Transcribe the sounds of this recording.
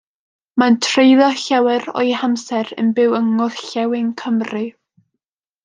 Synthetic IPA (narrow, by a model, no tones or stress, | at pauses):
mantʰrejðɔɬɛwɛɾɔ̰jhamsɛɾə̰nbɪwəŋɔðɬɛwɪŋkʰəmrɨ